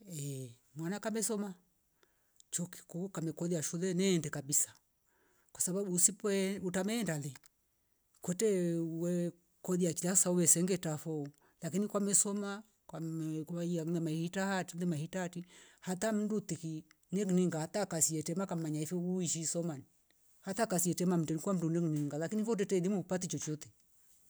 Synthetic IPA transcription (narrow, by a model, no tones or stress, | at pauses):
ɛ | mwanakamɛsɔma | t͡ʃɔki̥kukamɛkɔðijaʃulɛnɛːndɛkabisḁ | kwasabaɓusiputamɛːndalɛ | kwɛtɛwɛ | kɔðijat͡ʃilasauwɛsɛŋɡɛtafɔu | lakinikwamɛsɔma | kwakianɛmaihitahatilɛmahitaatihatam̩dut̪iki | nɛkiniŋɡahatakasiɛtɛmakam̩maɲaifɔuiʃisɔmani | hatakasiɛtɛmam̩tɛnikwam̩dunɛkniŋɡalakinifɔt̬ɛtɛlimupat̬it͡ʃɔt͡ʃɔt̪ɛ